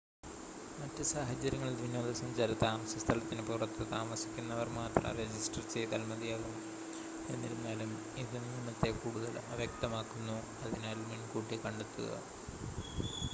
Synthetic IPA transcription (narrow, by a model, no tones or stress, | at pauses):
mɐtːɨsaːɦɐt͡ɕːɐɾjɐŋːɐɭild̪ʋinːoːðɐsɐmɲd͡ʑaːɾɐt̪aːmɐsɐst̪ʰɐlɐt̪ːinɨpurɐt̪ːɨt̪aːmɐsi̥kʲːunːɐʋɐrmaːt̪rɐ̰red͡ʑisʈɐrt͡ɕe̞jt̪aːlmɐðijaːɣumːu | e̞nːiɾunːaːlum | iðɨniimːɐɭt̪ːekuːɽuðɐlɐʋjɐk̚t̪ɐmaːkːunːu | ɐðinaːluminkuːʈːikɐɳɖet̪ːuɣɐ̰